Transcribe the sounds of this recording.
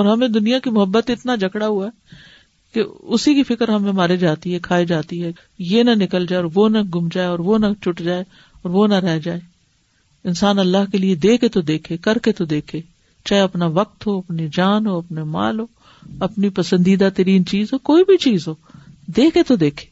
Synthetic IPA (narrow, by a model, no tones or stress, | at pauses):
ɔːɾɦɐmẽd̪ʊnijakimʊɦəbːət̪ɪt̪nad͡ʒʱɐkɽaɦuaɛ | keʊsikifʰɪkəɾɦɐmẽmaːɾed͡ʒaːt̪iɦɛkʰaːid͡ʒaːt̪iɦɛ | jenɐnɪkəld͡ʒaːeɔːɾʋonɐɡʱʊmd͡ʒaːeɔːɾʋonɐt͡ʃʊʈd͡ʒaːe | ɔːɾʋonɐɾɛɦd͡ʒaːe | ɪnsaːnɐlːaɦkelied̪eːkʰet̪od̪eːkʰekɐɾket̪od̪eːkʰeː | t͡ʃaːɦeɐpnaʋɐk̚t̪ɦoɐpnid͡ʒaːnɦoɐpnema̰ːlɦoː | ɐpnipɐsə̃nd̪iːd̪at̪ɐɾiːnt͡ʃiːzɦoːkoːibʱit͡ʃiːzɦoːd̪eːkʰet̪od̪eːkʰe̥ː